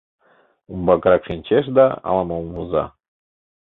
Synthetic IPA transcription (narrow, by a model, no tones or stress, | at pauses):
umbɑkɾɑkʃinʲt͡ɕeʃ̬d̪ɑɑ̰lˠɑmolˠmuzɑ̰